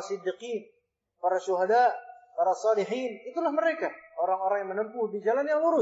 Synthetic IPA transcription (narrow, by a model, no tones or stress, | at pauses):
sɨd̪ːiqiːn | paɾaʃuɦadaʔpaɾasˤɑliħiːnit̪ulahməɾekaoɾaŋoɾaŋjaŋmənəmpuhdid͡ʒalanjaŋluɾʊ